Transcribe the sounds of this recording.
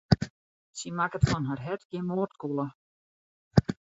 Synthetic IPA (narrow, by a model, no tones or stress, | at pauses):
simakətfɔnɦarɦɛtɡjɪmoːrtkulˠə